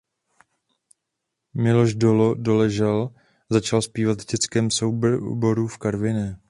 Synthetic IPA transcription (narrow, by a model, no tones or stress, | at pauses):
mɪlo̞ʒdo̞lodo̞lɛʒɛl | zat͡ʃalspiːvat̪vɟɛt͡skɛːmso̞wbbo̞ɾufkaɾvɪɲɛ